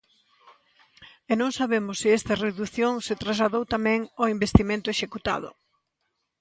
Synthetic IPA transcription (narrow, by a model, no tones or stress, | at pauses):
enõŋsaβemʊsːɪɛst̪ɐreðuθjõŋset̪ɾazlaðowt̪amɛ̃ŋoimbest̪imẽnt̪ʊeʃekut̪a̰ðʊ̰